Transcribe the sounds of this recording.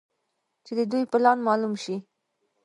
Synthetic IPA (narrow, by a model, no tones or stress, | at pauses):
t͡ʃed̪əd̪ujplɑnmɑlumʃi